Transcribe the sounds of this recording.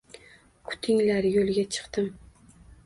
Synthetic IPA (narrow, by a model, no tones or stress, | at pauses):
kʰʊ̥t̪ʰɪŋlaɾjolɡʲat͡ʃʰɨ̥qt̪ɪm